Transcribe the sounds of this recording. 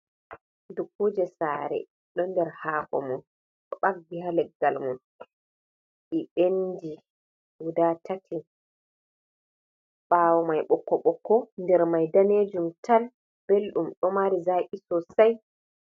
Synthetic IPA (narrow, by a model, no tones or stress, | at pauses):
dukːod͡ʒɛsaːɾɛ̰ | ɗɔndɛɾhaːkɔ̰mun | ɗɔɓaɡːihalɛɡːalmun | ʔiɓendi | wudatatʰi | ɓaːwɔmajɓɔkːɔɓɔkːɔndɛɾmajdaneːd͡ʒumtal | b̥elɗumɗɔmaɾizaʔisɔsaj